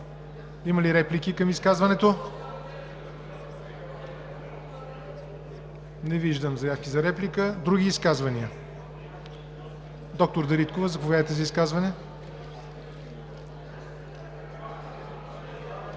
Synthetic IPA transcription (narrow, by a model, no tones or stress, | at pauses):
iməliɾɛplikʲikəmiskazvɐnɛt̪o | nɛviʒd̪əmzɐjafkʲizɐɾɛplikəd̪ɾuɡ̟ʲiːskazvɐniə | d̪ɔk̚t̪oɾd̪ɐɾit̪kovəzɐpovjavət̪ɛzɐiskazvɐnɛ